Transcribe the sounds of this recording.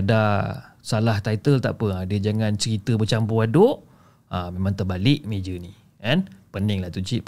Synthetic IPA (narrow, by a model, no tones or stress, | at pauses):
ada | salaht̪ajt̪əlt̪a̰ʔpəadəd͡ʒaŋãnt͡ʃəɾit̪əbət͡ʃampuadʊʔ | əmemãŋt̪ərbalɪʔmed͡ʒəni | ɛnpənɪŋlat̪ut͡ʃiʔ